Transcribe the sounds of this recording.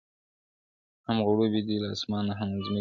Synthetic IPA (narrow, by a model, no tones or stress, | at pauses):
hamɣʊɽobid̪ilaːsmɑːnaɦamazmi